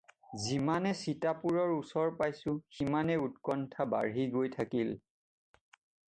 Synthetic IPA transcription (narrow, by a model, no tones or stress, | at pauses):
zimanɛsitapuɹɔɹusɔɹpajsʊ̃ximanɛutkɔntʰaba̰ɹiɡojtʰakil